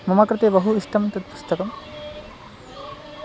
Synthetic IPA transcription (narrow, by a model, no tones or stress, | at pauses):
mɐmɐkɾɪt̪eːbɐɦuiʂʈʰɐmt̪ɐt̪pu̥st̪ɐkɐm